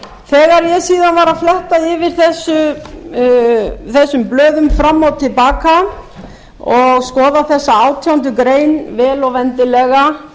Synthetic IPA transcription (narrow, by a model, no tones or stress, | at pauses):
θɛːɣaɾjɛsiːðanvaːɾaflɛht̪aɪvɪɾ̥θɛsːʏ | θɛsːʏmplœːðʏmfɾamːawt̪ʰɪlpaːka | ɔɣskɔːðaθɛsːaaːwt̪ʰjawnt̪ʏkɾeːjnvɛːlɔvɛnt̪ɪlɛɣa